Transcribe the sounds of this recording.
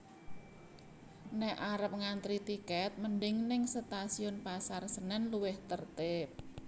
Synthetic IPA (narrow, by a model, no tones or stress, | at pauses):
nɛʔaɾəp̚ŋant̪ɾit̪ikɛt̪̚mənɖɪŋnɪŋsət̪asiʊnpasarsənɛnluwɪht̪ərt̪ɪp̚